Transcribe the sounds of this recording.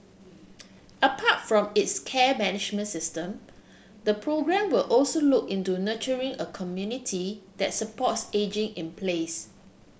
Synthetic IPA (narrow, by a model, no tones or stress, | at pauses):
əpʰatfɹɔ̃mɪtskʰɛmɛnɪd͡ʒmə̃ntsɪstə̃m | dəpʰɹoɡɹɛ̃mwɪlʔɔlsolukɪ̃ntunət͡ʃəɹĩŋəkʰɔmjunitʰidɛt̚səpɔtsed͡ʒɪ̃ŋɪ̃npʰles